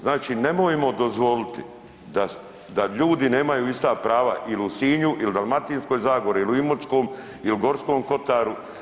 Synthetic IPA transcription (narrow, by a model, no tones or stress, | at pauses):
znaːt͡ʃine̞moːjimod̪ozʋo̞lit̪i | d̪a | d̪aʎuːd̪ine̞ːmajuːist̪apɾaːʋa̰ʔiliusiːɲuʔild̪alˠmat̪iːnskoːjzaːɡoɾiiliuimosko̞ːm | iliɡo̞ɾskoːmko̞t̪aːɾu